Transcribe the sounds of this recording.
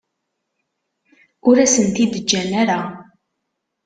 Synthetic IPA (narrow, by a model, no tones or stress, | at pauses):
ʊɾæsənt̪id̪əd͡ʒːænæɾa